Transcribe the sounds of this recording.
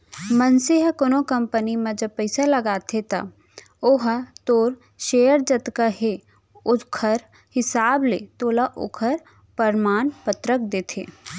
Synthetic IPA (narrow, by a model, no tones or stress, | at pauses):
mənseɦkonõkɐ̃mpənimɐ̃d͡ʒɐb̚pəɪsalɐɡaːt̪ʰet̪a̰ | oɦt̪oːɾ | ʃeːjəɾd͡ʒɐt̪kaɦe | ʊkʰəɾ | hɪsaːblet̪oːlaʔo̰kʰəɾ | pəɾmaːnpət̪ɾək̚d̪eːt̪ʰeː